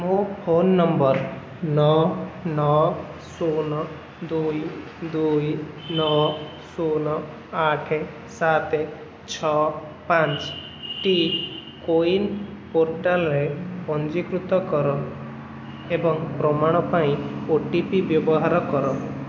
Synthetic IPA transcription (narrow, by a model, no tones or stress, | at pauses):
mopʰonːɔmbɔɾ | nɔnɔsunɔ | d̪uj | d̪ujnɔ | sunɔ | aʈʰe | sat̪e | t͡ʃʰɔ | pant͡ʃ | ʈikoinpoɾʈalɔɾepɔnd͡ʒikɾut̪ɔkɔɾɔ | ebɔŋpɾɔmaɽ̃ɔpaĩoʈipibjɔbɔɦaɾɔkɔɾɔ